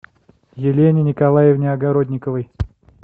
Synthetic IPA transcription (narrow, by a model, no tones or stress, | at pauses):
jɪlʲenʲɪnʲɪkɐlˠajɪvnʲɪɐɡɐɾo̞d̪ʲnʲɪkəvəj